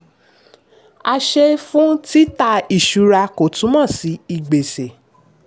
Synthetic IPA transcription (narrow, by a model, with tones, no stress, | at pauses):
a˧ʃe˧fũ˦ti˦ta˧i˦˨ʃu˨˦ɾa˧ko˨tũ˨˦mɔ̃˦˨si˨˦i˦˨ɡ͡be˨se˨